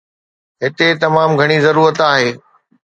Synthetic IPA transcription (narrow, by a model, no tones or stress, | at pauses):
ɦɪt̪et̪ɐmaːmɡʱɐɽ̃izɐɾuːɾət̪aːɦeː